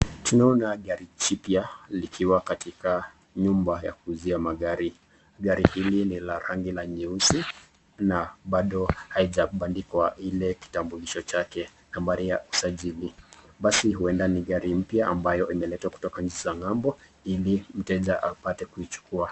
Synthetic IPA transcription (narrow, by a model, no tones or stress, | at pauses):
tunaɔnaɠaɾit͡ʃipjalikʰiwakatika | ɲumbaja̰kuːziamaɠaɾi | ɠaɾihilinilaɾaŋɡilaɲiusi | naɓaɗɔhaiʄaɓandikwailɛki̥tambuliʃɔt͡ʃakɛ | nambaɾijausaʄiliɓasihuɛndaniɠaɾim̩pjaʔambajɔʔimɛlɛtwaku̥tɔkaɲ̩t͡ʃizaŋambɔ | ilim̩tɛʄaʔapatɛkuit͡ʃu̥kua